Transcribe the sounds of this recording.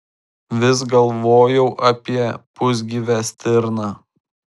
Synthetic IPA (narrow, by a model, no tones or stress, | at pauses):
ʋʲɪs̬ɡɐlˠʋoːjɛʊʔɐpʲiɛpʊzʲɡʲiːʋʲæsʲt̪ʲɪɾnɑː